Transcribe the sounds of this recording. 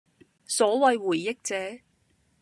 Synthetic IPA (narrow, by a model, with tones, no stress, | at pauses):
sɔː˨˥wɐ˨jwuː˨˩jːɪ˥k̚t͡sɛː˨˥